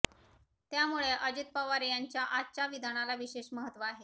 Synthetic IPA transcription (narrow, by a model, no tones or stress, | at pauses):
t̪jamuɭeʔəd͡ʑit̪̚pəʋaɾijaɲt͡ɕjaʔaɕaʋid̪ʱanalaʋiɕeɕməɦət̪ʋəaɦe